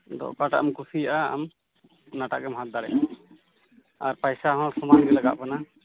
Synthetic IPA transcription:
d̪ɔ̰ʔkaʈa̰ʔamkusijaʔaa̰m | naʈa̰ʔɡɛmɦat̪̚d̪aɾɛ̰ | aɾpajsaɦɔ̃sɔmanɡɛlaɡa̰ʔpana

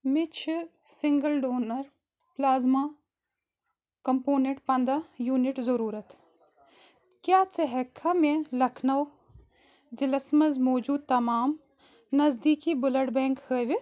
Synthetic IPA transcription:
mit͡ʃʰi | sɪŋɡəlɖoːnɐɾ | plaːzma | kɐmpoːnẽʈpɐnd̪ajuːnɪʈzɐɾuːɾɐt̪ | kjaːt͡sɐɦɐkʰːamẽlɐkʰnɐw | zilɐsmɐzmoːd͡ʒuːd̪̚t̪ɐmaːm | nɐzd̪iːkibʊlɐɽbẽːŋkhəːʋi

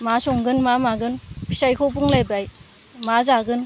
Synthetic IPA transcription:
masɔŋɡɯnmamaɡɯnpʰi̥sajkʰɔbuŋlajbaj | mazaɡɯn

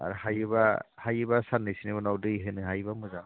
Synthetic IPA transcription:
a̰ɾhajɯbahajɯbasanːɯjsinebɔnawdɯjɦɯnɯɦajbamɯzan

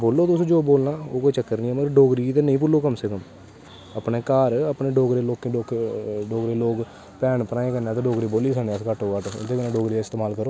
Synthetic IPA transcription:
boːlːoːt̪ʊsːd͡ʒoːboːlnaːoːkoːit͡ʃəkːəɾnĩːɛːməɡəɾɖoːɡɾiːt̪eːnəĩːpʊlːoːkəmsekəm | əpneːkaːɾəpneːɖoːɡɾeːloːkːɖoːkɖoːɡɾeːloːk | pɛːɳpənaːẽːkənãːt̪ẽːɖoːɡɾiːboːliːsənẽːəskəʈʰːoːkəʈʊ̰d̪eːkənẽːɖoːɡɾiːaɪst̪eːmaːlkəɾoː

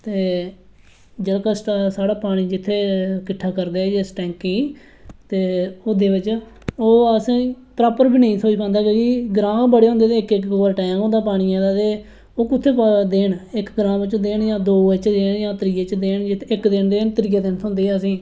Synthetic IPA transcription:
t̪eː | d͡ʒəlkaːsʈːsaːɽaːpaːɽ̃iːd͡ʒɪt̪ʰːeːkɪʈʰːaːkəɾd̪eːd͡ʒeːsʈɛ̃ːŋkĩː | t̪eːoːd̪eːʋɪt͡ʃ | oːəsĩː | pɾaːpəɾbiːnəĩːt̪ʰoːiːpɛ̃ːnd̪aːkeːɡiːɡɾãːbəɽeːɦʊ̃nd̪eːt̪eːɪkɪkoːəɾʈãːkõːnd̪aːpaːɽ̃iːãːd̪aːt̪eː | oːkʊt̪ʰːeːpd̪eːnɪkɡɾãːmʋɪt͡ʃːd̪eːɳjãːd̪oːət͡ʃd̪eːɳjãːt̪əɾiːeːt͡ʃd̪eːɳd͡ʒɪt̪ʰːɪkd̪eːɳd̪eːnt̪əɾiːeːd̪ent̪ʰʊ̃nd̪eːɛːəs̬ĩː

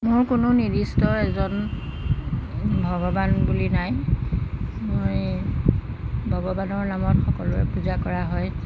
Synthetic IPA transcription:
mʊɹkʊnʊnidistɔɛzɔn | bʱɔɡɔbanbulinaj | moj | bʱɔɡɔbanɔɹnamɔtxɔkɔlʊɛ̰puzakɔɹaɦɔj

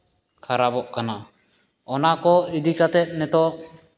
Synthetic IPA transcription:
kʰaɾabɔʔkana | ɔnakɔid̪ikat̪ɛt̪̚nɛt̪ɔʔ

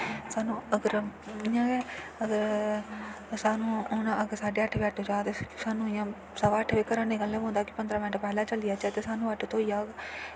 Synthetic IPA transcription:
saːnũːəɡəɾijãːɡɛːəɡəɾ | saːnũːʊnãːʔəɡəɾsaːɖeːəʈʰʋiːəʈʰod͡ʒaːt̪esaːnũːɪjãː | səʋaːəʈʰʋiːkəɾaːneːɡəlːɛ̃ːõːnd̪aːkɪpənd̪ɾãːmɪnəʈpɛːlaːt͡ʃəlijaːt͡ʃaːt̪eːsaːnũːəʈʰːt̪ʰoːijaːoɡaː

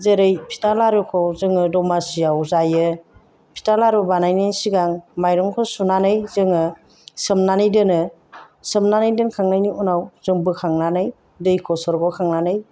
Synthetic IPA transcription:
zeɾɯjpʰi̥talaɾukʰɔwzɯŋɯdɔmasijawzajɯ | pʰi̥talaɾɔbanajnajsiɡaŋmajɾɔŋkʰɔsunanɯjzɯŋɯ | sɯmnanɯjdɯnɯ | sɯmnanɯjdɯnkʰaŋnajniunawzɯŋbɯkʰaŋnanɯj | dɯjkʰɔsɔɾɡɔkʰaŋnanɯj

